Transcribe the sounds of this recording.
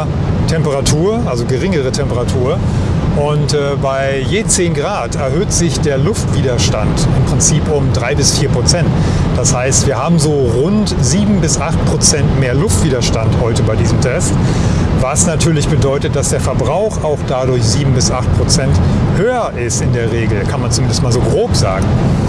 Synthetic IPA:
tʰɛmpəʁatʰuːɐʔalzoɡəʁɪŋəʁ̞ətʰɛmpəʁatʰuːɐ | ʔʊntɛbaɪjeːt͡seːnɡʁaːtɛɐɦøːtz̥ɪçd̥eːɐlʊftv̥iːdɐʃtantɪmpʁ̥ɪnt͡siːpʊmdʁaɪbɪsfiːɐpʁ̥ot͡sɛnt | d̥ashaɪstv̥iːɐhaːbm̩zoːʁʊnt | ziːbm̩bɪsʔaχt̚pʁ̥ot͡sɛntmeːɐlʊftv̥iːdɐʃtanthɔʏtəbaɪdiːzəmtʰɛst | vasnatʰyːɐlɪçb̥ədɔʏtət̚d̥asd̥eːɐfɛɐbʁaʊxaʊxd̥adʊɐçz̥iːbm̩bɪsʔaχt̚pʁ̥ot͡sɛnthøːɐʔɪstɪndeːɐʁeːɡl̩kʰanmant͡sumɪndəstmaːlzoːɡʁoːpz̥a̰ːɡŋ̩

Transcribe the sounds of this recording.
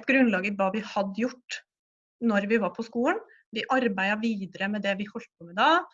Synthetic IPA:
ɛt̪ɡɾʉnlɑːɡəʋɑːʋɪhɑd̪ːəjʊʈː | nɔɾʋɪʋɑːɾpʰɔskuːən | ʋɪʔɑɾbæɪɑʋiːd̪əɾəmɛd̪ɛʋɪhɔlt̪pɔmɪd̪ɑː

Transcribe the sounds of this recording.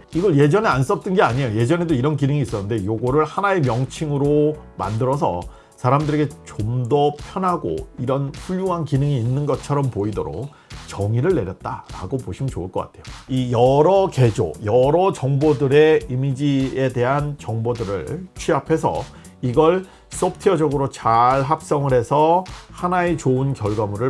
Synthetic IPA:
iɡʌɭje̞d͡ʑʌneans͈ʌp̚t͈ɯnɡeaɲiejoje̞d͡ʑʌne̞doiɾʌnkinɯŋiːs͈ʌnːɯnde̞joɡoɾɯɭhanae̞mjʌŋt͡ɕʰiŋɯɾoma̰ndɯɾʌs̬ʰʌ̰ | sʰaɾamdɯɾeɡe̞t͡ɕomdʌpʰjʌnɦaɡo̰iɾʌnɸuʎːjuɦankinɯŋiːnːɯnɡʌt͡ɕʰʌɾʌmpoidoɾo̰k̚ | t͡ɕʌŋiɾɯɭːe̞ɾjʌt̚t͈a̰ɾaɡopoɕʰimnt͡ɕouɭk͈ʌk͈a̰tʰe̞joijʌɾʌke̞d͡ʑo̰jʌɾʌt͡ɕʌŋbodɯɾe̞imid͡ʑie̞de̞ɦant͡ɕʌŋbodɯɾɯ̰ɭt͡ɕʰɥiapʰe̞sʰʌ̰ | iɡʌɭ | s͈op̚tʰiʌd͡ʑʌɡɯɾot͡ɕaɭɦap̚s͈ʌŋɯɾhe̞sʰʌhanaet͡ɕoɯnkjʌɭɡamuɾɯɭ

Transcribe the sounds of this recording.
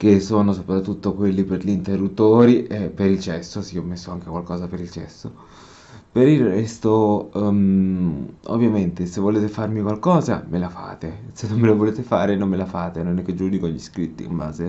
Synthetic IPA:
kesːoːnosopɾat̪ːut̪ːokwelːiperʎint̪erːut̪ːoːɾiʔepːeɾilt͡ʃɛsːosiɔmːesːoaŋkekwalkɔːzapeɾilt͡ʃɛ̰sːo | peɾilrɛst̪o | o̰vːjament̪esevːoleːt̪efarmikwalkɔːza̰melafa̰ːt̪esenːomːelavoleːt̪efaːɾenomːelafaːt̪enonɛkːed͡ʒːuːnikonʎiskɾit̪ːḭmba̰ːze

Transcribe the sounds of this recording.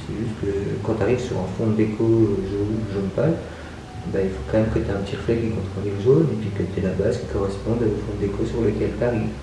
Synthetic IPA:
sɛʒyst̪kəkɑ̃t̪yaʁivsyʁɛ̰̃fɔ̃d̪ekʰoʒoʒonpal | ebailfo̥kɑ̃mɛmt̪ʰet̪eɛ̃pət̪ʰiʁflɛkʲikɔ̃t̪χɛ̃d̪eʒonepɥikət̪yelabazkʲi̥kɔʁɛspɔ̃d̪aofɔ̃d̪ekosyʁləkʲɛlt̪aʁiv

